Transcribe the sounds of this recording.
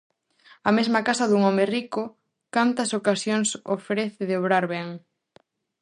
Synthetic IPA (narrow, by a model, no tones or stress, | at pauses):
ɐmezmɐkasɐðuŋɔmerikʊ | kant̪ɐsokasjoŋso̰fɾeθɪðɪoβɾaɾβɛŋ